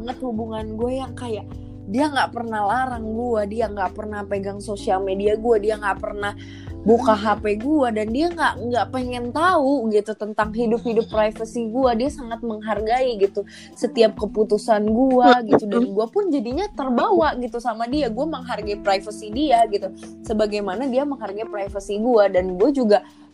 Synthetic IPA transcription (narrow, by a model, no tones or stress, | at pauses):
aŋət̪hubuŋanɡuajakajaʔ | diaŋɡaʔpərnahlaɾaŋɡuadiaŋɡaʔpərnahpeɡaŋsosialmediaɡuadiaŋɡaʔpərnah | bukaɦapeɡuadandiaŋɡaʔŋɡaʔpeŋɛnt̪auɡit̪ut̪ənt̪aŋɦidʊphidʊpːɾajfəsiɡuadiasaŋat̪̚məŋɦarɡaiɡit̪u | sət̪iap̚kəput̪usanɡuaɡit̪udanɡuapʊnd͡ʒadiɲat̪ərbawaʔɡit̪usamadiaɡuaməŋɦarɡaipɾajfəsidiaɡit̪usəbaɡajmanadiaməŋɦarɡaipɾajfəsiɡuadanɡuad͡ʒuɡa